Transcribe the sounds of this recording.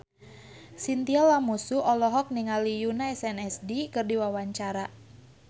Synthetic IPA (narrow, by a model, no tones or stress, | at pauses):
sint̪ialːamusuɔlɔɦɔk̚niŋalijunaɛsɛnɛsdikɨrdiwawaɲt͡ʃaɾa